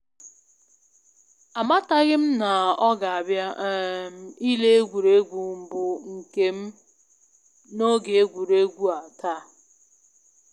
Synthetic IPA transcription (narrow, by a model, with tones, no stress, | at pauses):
a˨ma˦ta˦ɣɪ˦m̩˦na˨ɔ˦ɡa˨a˨bja˦m̩˨i˦le˦e˦ɡʷu˨ɾe˦ɡʷu˨m̩˨bʊ˦ŋ̩˨ke˦m̩˦ | no˦ɡe˨e˦ɡʷu˨ɾe˦ɡʷu˦a˨ta˦